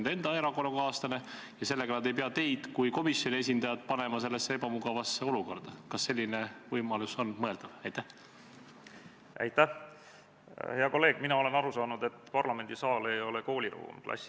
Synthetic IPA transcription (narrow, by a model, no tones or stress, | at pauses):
nd̪e̞nd̪̥ɑeɾɑko̞nukɑːst̪ɑne̞jɑse̞lːe̞ɡ̥ɑnɑd̪e̞jp̬eɑt̪e̞jd̪̥kujko̞misːjo̞nʲie̞s̬ʲind̪̥ɑjɑd̪̥̚pɑne̞mɑse̞lːesːeebɑmuɡɑvɑsːeo̞luko̞rd̪̥ɑkɑsːe̞lʲːine̞vɤjmɑluso̞nmɤe̞ld̪̥ɑvɑjt̪æh | ʔæ̰jt̪æh | he̞ɑko̞lːe̞ːɡ̥minɑo̞le̞nɑɾusɑːnud̪e̞t̪ːpɑrlɑme̞nd̪isɑːle̞jo̞leko̞ːlʲiɾṵːmklʔɑ̰sʲː